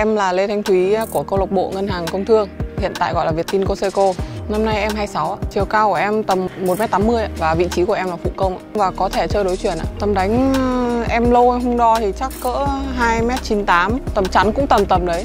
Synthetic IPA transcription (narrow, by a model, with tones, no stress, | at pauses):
ʔɛ˧mlaː˨˩le˧t̪ʰa˨˧jŋ̟t̪ʰwi˨˦˧ku˧˩əkə˧wlk͡p̚ɓo̰˧˨ŋə˧nɦaː˨˩ŋkə˧wŋ͡mt̪ʰɨ˧əŋhḭ˧˨ənt̪a̰ː˧˨jɣɔ̰˧˨jlaː˨˩vət̪i˧nko˧se˧ko˧na˧mna˧jʔɛ˧mɦaː˧jsa˨˦waː˧t͡ɕi˨˩əwkaː˧wkəʔɛ˧mt̪ə˨˩mmo˨˩t̚mɛ˦˥t̚t̪aː˨˦mːɨ˧əjʔa̰ː˧˨vaː˨˩vḭ˧˨t͡ɕi˨˦ku˧˩əʔɛ˧mlaː˨˩fṵ˧˨kə˧wŋ͡mʔa̰ː˧˨vaː˨˩kɔ˨˦t̪ʰe˧˩t͡ɕəː˧jɗo˨˦jt͡ɕwḭ˧˨ənʔa̰ː˧˨t̪ə˨˩mɗa˨˦jŋ̟ʔɛ˧mlə˧wɦə˧ŋ͡mɗɔ˧t̪ʰi˨˩t͡ɕa˦˥kːə̰ː˧˥ɦaː˧jmɛ˦˥t̚t͡ɕi˨˦nt̪aː˨˦mt̪ə˨˩mt͡ɕa˨˦nkʊ̰˧˥ŋ͡mt̪ə˨˩mt̪ə˨˩mɗə˨˦j